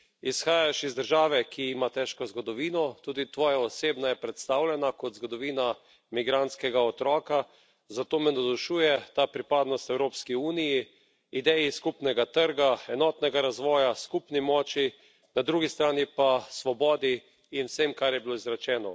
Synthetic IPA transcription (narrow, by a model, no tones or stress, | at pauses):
isxaːjaʃizd̪əɾʒaːʋɛkiimat̪ɛʃkɔzɡɔd̪ɔʋiːnɔt̪uːd̪it̪ʋɔːjaɔseːbnajɛpɾɛt̪st̪awlʲɛnakɔt̪zɡɔd̪ɔʋiːna | miɡɾant̪skɛɡaɔt̪ɾɔːka | zat̪oːmɛnad̪ɔʃuːjɛt̪aːpɾipaːd̪nɔst̪ɛwɾoːpskiuːniji | id̪ɛjiskupnɛɡat̪əɾɡaɛnɔːt̪nɛɡaɾazʋɔːjaskupnimɔːt͡ʃi | nad̪ɾuːɡist̪ɾaːnipasʋɔbɔːd̪iː | nwsemkaɾjɛbiloizɾat͡ʃɛːnɔ